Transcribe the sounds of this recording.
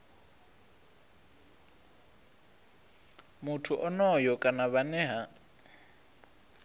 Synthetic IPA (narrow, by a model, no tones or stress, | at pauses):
mutʰuʔɔnɔjɔkʼanaβanɛɦa